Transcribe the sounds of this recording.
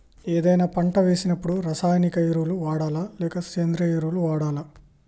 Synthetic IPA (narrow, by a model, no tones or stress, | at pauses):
eːd̪ɐjnaːpɐɳʈɐʋeːsinɐpːuɽuɾɐsaːjnikɐjiɾuluʋaːɽaːlalɛːkɐseːnd̪ɾɐiɾuluʋaːɽaːla